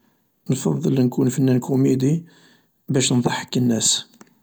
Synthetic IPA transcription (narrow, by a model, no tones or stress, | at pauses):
nfɑðˤːəlnkunfənːænkumed̪i | bæʃnðˤɑħə̥kːənːæs